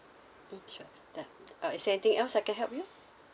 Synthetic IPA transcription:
m̩mʃu | d̥ɛʔaisdɛnit̪ĩŋʔɛlsaɪjkɛ̃nɦɛlp̚ju

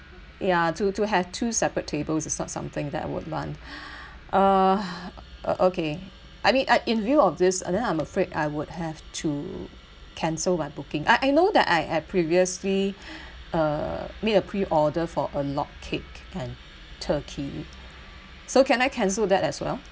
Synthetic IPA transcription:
jatutuɦɛv̥tʰusɛpɹətʰːebəlsɪsnɔ̰tsã̰mθɪ̃ŋdɛ̰ta̰ɪwʊ̰d̚lã̰nt | ʔʌ | ʔʔoke | ʔaɪmĩnʔaɪʔɪ̃nvjuɔfdɪsɛ̰̃ndɛ̃nãɪməfɹeda̰ɪwʊdhɛvtʰu | kʰɛ̃nsəlmaɪbukɪ̃ŋʔa̰ɪʔaɪnod̪ɛ̰ta̰ɪhɛdpʰɹiviəsli | ʌmeɾəpʰɹiʔɔdəfɔʔəlɔ̰kkʰːɪkɛ̃n | tʰəkʰi | sokɛ̃naɪkʰɛ̃ns̬əldɛtɛswɛ̰lˠ

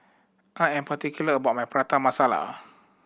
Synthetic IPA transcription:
ʔaɛ̃npat̪ikjuləbaʔ̚majpəɾat̪amasala̰

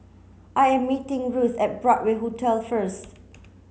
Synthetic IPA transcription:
ʔajɛ̃mːitɪ̃ŋɹusɛt̚bɹɔt̚weɦotʰɛlfəst

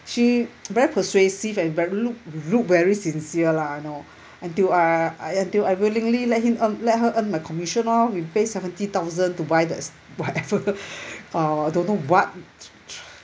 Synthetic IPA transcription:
ʃivɛɹipʰəswesivɛ̃nvɛɹiluk̚luk̚vɛɹisĩnsiəlaajno | ə̃ntilaaə̃ntilawilĩŋlilɛt̚hĩmə̃nlɛt̚ɦəʔə̃nmajkʰɔmiʃə̃nɔwipesɛvə̃ntit̪aʊzə̃ntubajdɛ̰ts | wɔtɛvə | ʌadõnːowɔt̚

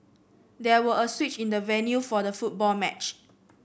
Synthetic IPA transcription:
dɛwəəswit͡ʃĩndəvɛnjufɔdəfut̚bɔlmɛt͡ʃ

